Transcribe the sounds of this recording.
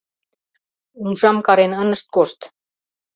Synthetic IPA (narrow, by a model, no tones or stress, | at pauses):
unʒɑmkɑɾenənə̆ʃt̪̚koʃt̪